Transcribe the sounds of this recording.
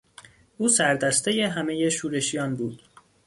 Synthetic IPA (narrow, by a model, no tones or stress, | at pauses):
ʔuːsæɾd̪æst̪e̞je̞ɦæme̞je̞ʃuːɾe̞ʃijɒːnbuːd̪̥